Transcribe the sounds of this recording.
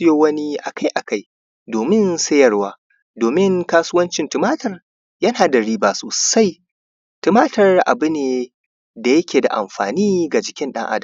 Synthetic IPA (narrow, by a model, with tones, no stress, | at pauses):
ɪ˦joː˦wɐ˦ni˦ʔa˨ka˦jʔa˨ka˦˨j | doː˨mɪ˦nsɐ˦jɐ˨rwaː˦ | doː˨mɪ˦ŋkaː˦su˦wɐ˦nt͡ʃɪ˨ntʊ˨maː˦tɐ˨r | jɐ˦naː˨dɐ˨ɽiː˦baː˨soː˨sa˦j | tɪ˨maː˦tɐ˨rʔa̰˨bʊ˦neː˨ | da˨jɐ˦kʲeː˨da̰˨ʔa̰˨mɸa̰ː˨niː˦ɡa˨d͡ʒɪ˨kʲɪ˦nɗɐ̰˦ŋʔa̰˦dɐ˨